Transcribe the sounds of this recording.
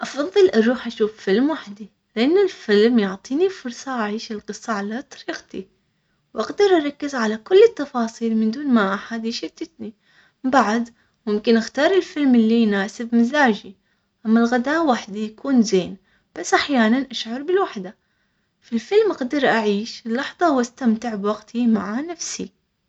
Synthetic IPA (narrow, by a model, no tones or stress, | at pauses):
ʔɑfɑðˤːɨlʔɑɾˤuːħʔaʃuːffɪlmwaħd̪i | lɪʔanːɪlfɪlmjʊʕt̪ˤiːnifʊɾsˤɑʔaʕiːʃɪlqɨsˤːɑʕalat̪ˤɑ̥ɾiːqt̪i | wʔaɡd̪ɑɾˤʔɑɾˤɑkːɪzʕalakʊlːɪt̪ːɑfɑːsˤiːlmɪnd̪uːnmaʔaħad̪ʃɪt̪ːɪt̪ni | baʕd̪ | mʊmkɪnʔaxt̪ɑːɾˤɪlfɪlmɪlːinaːsɪbmɪzaːd͡ʒi | ʔamːalɣad̪aːwaħd̪ijakuːnzeːn | b̥asːʔaħjaːnanʔaʃʕɑɾˤbɪlwaħd̪a | filfɪlmʔaɡd̪ɑɾˤʔaʕiːʃɪlːɑħðˤɑwast̪amt̪ɪʕbwaɡt̪ʰimaʕanafsi